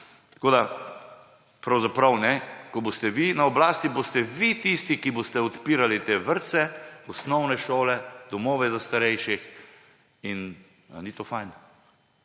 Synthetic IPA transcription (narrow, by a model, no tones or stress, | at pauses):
t̪koːd̪a | pɾawzapɾawnɛkɔbost̪ɛʋinaɔblaːst̪ibost̪ɛʋit̪ist̪ikibost̪ɛɔt̪piːɾalit̪eːʋəɾt̪sɛɔsnɔwnɛʃoːlɛd̪ɔmoːʋɛzast̪aɾɛjʃix | in | nit̪oːfajn